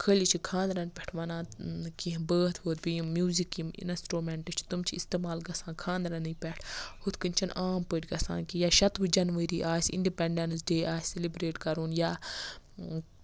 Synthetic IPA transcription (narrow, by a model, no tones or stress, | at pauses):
kʰəːlʲit͡ʃʰikʰãːnd̪ɾɐnpʲɛʈʰʋɐnãːkiɦbəːt̪ʰboːt̪biimmjuːzikimḭnɐsʈɾoːmɛɳʈɨt͡ʃʰi̥t̪umt͡ʃʰiist̪eːmaːlɡɐsãːkʰãːnd̪ɾɐnɨpʲɛʈʰhut̪kɨnt͡ʃʰɐnʔaːmpəːʈʲɡɐsã̰ːnkijaːʃɐt̪ʋɨd͡ʒɐnʋəɾiːʔaːsʲḭɳɖipɛɳɖɐnsɖeːʔaːsʲselibɾeːʈkɐɾuːnjaː